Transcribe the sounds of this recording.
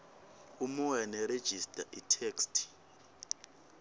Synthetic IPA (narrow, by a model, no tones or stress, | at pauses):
umuwɛnɛred̥ʒ̥ʱistʼaʔitʰeːkstʼʰ